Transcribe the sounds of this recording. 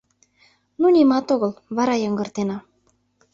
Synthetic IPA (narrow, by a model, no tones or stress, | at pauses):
nunʲimɑt̪oɣɤ̆lβɑɾɑjɑŋɡɤ̆rt̪enɑ